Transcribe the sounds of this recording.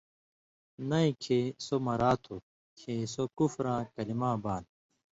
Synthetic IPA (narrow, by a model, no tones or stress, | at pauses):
nɐĩkʰeːsomɐɾaːt̪ʰo | kʰeːsokufɾãːkɐlimãːbaːn